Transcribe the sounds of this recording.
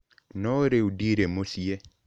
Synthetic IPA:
nɔɾeudiɾemosje

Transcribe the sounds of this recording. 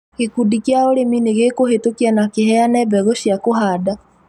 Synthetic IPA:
kekudikjaoɾemineɣekohetokianakeɦɛanɛbɛɣoɕjakoɦaːda

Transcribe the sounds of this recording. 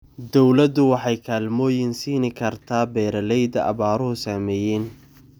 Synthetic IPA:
d̪ɔwlɐd̪ʊwɑħɑjkʰaːlmɔːjɪnsiːnɪkʰɐrt̪ʰaːbɛːɾɐlɛjd̪ɐʔɐ̰βaːɾʊɦʊsaːmɛːjɛn

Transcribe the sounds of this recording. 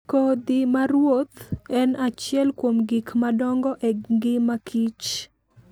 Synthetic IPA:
kod̪ɪmaɾwot̪ɛnat͡ʃjɛlkwomɡikmadɔŋɡɔʔeɡɪmakʰit͡ʃ

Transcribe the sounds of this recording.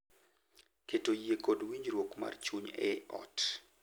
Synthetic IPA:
ketojekodwiɲd͡ʒɾwokma̰rt͡ʃuɲɛ̰ɔ̰t

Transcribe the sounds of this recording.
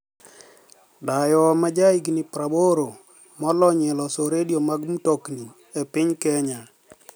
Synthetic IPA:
dajɔmad͡ʒaiɡnipɾaboɾo | mɔlɔɲɛlɔsoɾediomaɡmutokni | epɪɲkɛɲa

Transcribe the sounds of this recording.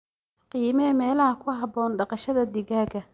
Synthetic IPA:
qiːmɛmɛːlɐɦɐkʰʊɦɑbɔːnɖɑqɑʃɐðɐd̪ɪɣaːɡɐ

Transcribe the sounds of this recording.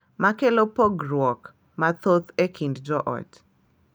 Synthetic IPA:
makelopoɡɾwɔk | mat̪ot̪ekʰinddɔʔɔ̰t

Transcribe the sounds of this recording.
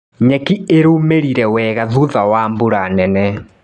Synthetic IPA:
ɲɛkieɾomeɾiɾɛwɛɣaðuðawambuɾanɛnɛ

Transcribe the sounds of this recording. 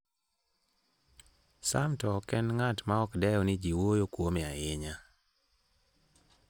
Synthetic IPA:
sa̰mtɔkɛnŋatmaɔkdɛjɔnɪd͡ʒiwojokwomɛajɪɲa

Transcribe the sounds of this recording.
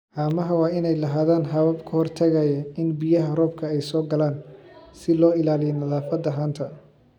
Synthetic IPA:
ʔaːmɐɦɐwɑːɪnɛjlɐɦaːðaːnɦɐβɐbkʰɐhɔrt̪ʰɐɣɐjɐɪnbijɐɦɐrɔːb̚kʰɐɛjsɔːɡɐlaːnsɪlɔːɪlaːlɪjɛnɐðaːfɐd̪ɐɦaːnt̪ʰɐ

